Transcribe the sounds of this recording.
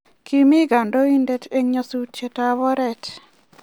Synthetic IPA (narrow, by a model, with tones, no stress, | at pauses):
kʰi˦mi˦ɡa˨ndo˦i˦ndɛ˦te˦ŋɲo˦su˦t̚t͡ʃe˨taβɔ˦ɾɛ˨t